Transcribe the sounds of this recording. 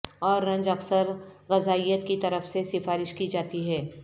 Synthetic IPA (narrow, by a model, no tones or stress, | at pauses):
ɔːɾːɐ̃ɲd͡ʒɐksəɾɣɐzaːijət̪̚kit̪ɐɾəfsesɪfaːɾɪʃkid͡ʒaːt̪iɦɛː